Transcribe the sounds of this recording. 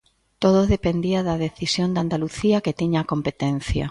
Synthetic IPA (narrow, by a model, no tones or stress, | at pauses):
t̪oð̞oðepend̪iɐðɐðeθisjond̪and̪aluθiɐket̪iɲaːkompet̪enθjɐ̰